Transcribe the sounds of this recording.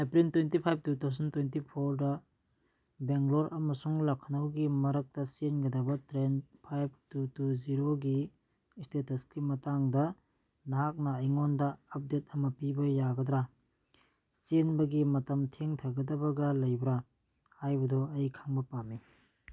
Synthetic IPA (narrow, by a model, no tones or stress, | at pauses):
epɾintwentipʰajp̚tutʰawzɐntwentipʰoɾdɐ | beŋɡloɾʔɐmɐsuŋlɐkʰːɐnɐwɡimɐɾɐk̚tɐsenɡɐdɐbɐtɾenpʰajb̚ʰtutuziɾoɡi | stetɐskimɐtaŋdɐ | nɦak̚nɐɐjŋondɐːp̚det̚ɐmɐpibɐjaɡɐdɾa | senbɐɡimɐtɐmtʰeŋtʰɐɡɐdɐbɐɡɐlɐjbɾa | hajbɐdoɐjkʰaŋbɐpamːi